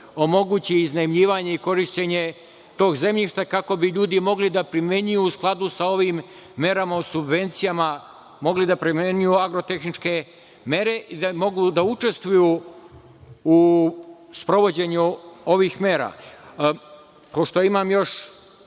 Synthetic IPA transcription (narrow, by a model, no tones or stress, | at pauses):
o̞mo̞ɡuːt͡ɕiiznaimʎiːʋaːɲe̞iko̞ɾiʃt͡ɕeɲe̞ | t̪o̞ːɡze̞mʎiʃt̪akako̞biʎuːd̪imo̞ɡlid̪apɾimje̞ɲujuːsklˠad̪usao̞ʋiːmː | e̞ɾamausubʋe̞nt̪sijama | mo̞ɡlid̪apɾimeɲujuaɡɾot̪e̞xnit͡ʃke̞ | me̞ɾe̞ʔid̪amo̞ɡud̪aut͡ʃe̞st̪ʋuju | u | spɾo̞ʋo̞d͡ʑe̞ɲuo̞ʋiːxme̞ːɾa̰ | po̞ʃt̪o̞imaːmjo̞ʃ